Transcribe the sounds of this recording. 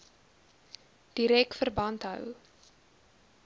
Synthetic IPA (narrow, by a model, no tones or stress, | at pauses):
d̥iɾɛk̚fərbɐntɦœ̰w